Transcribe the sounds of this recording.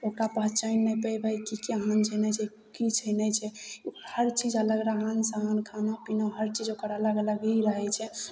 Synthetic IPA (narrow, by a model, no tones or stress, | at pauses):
okɾapəɦt͡ʃəjnːɛpəjbʱəjkikeɦənt͡ʃʰənɛt͡ʃʰɛ | kit͡ʃʰənɛt͡ʃʰɛhəɾt͡ʃid͡ʒələɡɾəɦənsaɦənkʰanapinaɦəɾt͡ʃid͡ʒokəɾalaɡləɡiɾəɦɛt͡ʃʰɛ